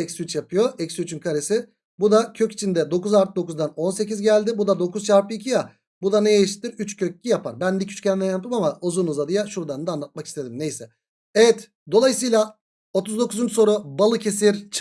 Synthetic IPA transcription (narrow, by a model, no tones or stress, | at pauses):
ɛcsyt͡ʃjapʰɯjo̞ɛcsyyt͡ʃʰynkʰaɾesɪ | bud̪acʰøcit͡ʃʰind̪ɛd̪o̞kuzaɾt̪ʰd̪o̞kuzd̪ano̞nse̞cizɟælʲd̪ɪbud̪ad̪o̞kuzt͡ʃʰaɾpɯicʰija | bud̪anejeʃt̪ʰːiɾyt͡ʃcʰøc̚ːijapa̰ɾbænd̪icʰy̥t͡ʃcʰɛnmɛnjap̚t̪ʰɯmamaozunuzad̪ɯjaʃuɾd̪and̪anlˠat̪̚maki̥st̪ʰe̞d̪imnejsɛ | evɛt̪ | d̪o̞lˠajɯs̬ɯjlˠa | o̞t̪ʰuzd̪o̞kuzunso̞ɾubalˠɯcʰe̞siɾt͡ʃʰ